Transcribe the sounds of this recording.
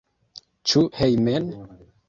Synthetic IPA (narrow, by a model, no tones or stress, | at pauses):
t͡ʃuhejmen